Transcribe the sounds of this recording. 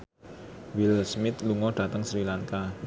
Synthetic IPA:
wɪlsmɪt̪luŋɔɖ̥a̤t̪əŋsɾilaŋka

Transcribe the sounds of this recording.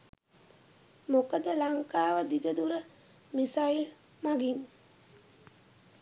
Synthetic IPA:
mokəd̪əlaŋkaːʋəd̪iɡəd̪uɾə | misail | maɡin

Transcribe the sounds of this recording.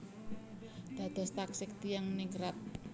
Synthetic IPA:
d̪̥a̤d̪̥a̤st̪aksɪk̚t̪ijaŋnɪŋɾat̪̚

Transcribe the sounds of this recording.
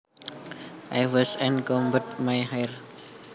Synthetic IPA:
ʔajwɔsɛ̃nkɔ̃mbət̚majhajr

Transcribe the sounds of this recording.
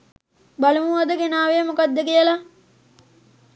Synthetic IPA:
balumuad̪əɡenaːʋejəmokad̪ːəkijəla

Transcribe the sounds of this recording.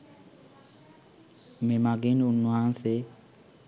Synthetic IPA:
memaɡenunuanse

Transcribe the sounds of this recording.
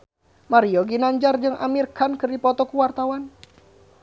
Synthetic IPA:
maɾiɔɡinaɲd͡ʒard͡ʒɨŋʔa̰mirkankɨrdipɔt̪ɔkuwart̪awan

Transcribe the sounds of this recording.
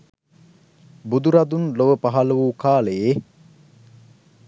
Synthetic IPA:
bud̪uɾɐd̪unloʋəpaɦaləʋuːkaːleje

